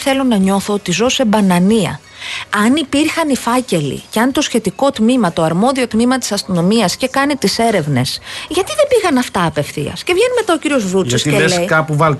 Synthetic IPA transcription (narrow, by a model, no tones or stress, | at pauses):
θe̞lo̞nɐɲo̞θo̞ot̪izo̞se̞bɐnɐniɐ̰ | ɐnipiɾxɐnifɐce̞lḭceɐnt̪o̞sçe̞t̪iko̞t̪mimɐt̪o̞ɐɾmo̞ðio̞t̪mimɐt̪i̥sɐst̪ono̞miɐsce̞kɐnit̪ise̞ɾe̞vne̞sʝɐt̪iðebiɣɐnɐft̪ɐːpefθḭɐ̰sce̞vʝe̞nime̞t̪ɐo̞ciɾio̞zvuiɐsieelesjkɐpuvɐlt